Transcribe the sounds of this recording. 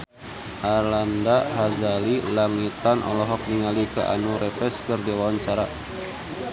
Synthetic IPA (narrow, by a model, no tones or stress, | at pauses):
ʔarlandaɦazalilaŋit̪anʔɔ̰lɔɦɔk̚niŋalikəʔa̰nuɾɛfɛskərdiwawaɲt͡ʃaɾa